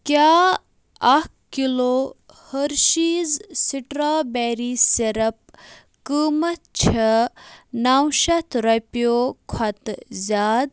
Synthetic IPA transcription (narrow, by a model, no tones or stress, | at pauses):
kʲaː | ɐhkkiloː | həɾʃiːzsiʈɾaːbɛːɾiːseɾɐp̚ | kəːmɐt̪̚t͡ʃʰɐ | nawʃɐt̪ʰɾɐpjoːkʰɐt̪zʲaːd̪